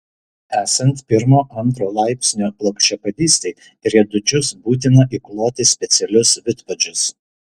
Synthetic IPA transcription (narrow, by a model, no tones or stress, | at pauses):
æːsɐnt̪pʲɪɾmoːʔɐnt̪ɾoːlˠɑˑɪpʲsʲnʲoːplˠɐkʃʲt͡ʃʲɛpɐd̪ʲiːsʲt̪ʲɛɪ | t̪ɾʲiɛd̪ʊd͡ʒʲʊsbuːt̪̬ʲɪnɐʔiˑklˠoːt̪ʲɪsʲpʲɛt̪sʲɛlʲʊsʋʲɪt̪pɐd͡ʒʲʊs